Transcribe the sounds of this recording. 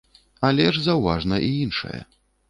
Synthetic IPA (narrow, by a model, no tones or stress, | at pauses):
alʲɛʐzɐwva̰ʐnɐʔiinʂɐ̰jɐ̰